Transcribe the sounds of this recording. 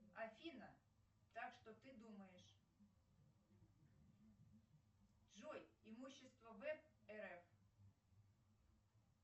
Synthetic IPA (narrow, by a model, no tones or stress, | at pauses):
ɐfʲinɐ | t̪akʂt̪ɔt̪ɪd̪umɐjɛʂ | ʒɔjimuɕːist̪vʋɐvɛpɛɾɛf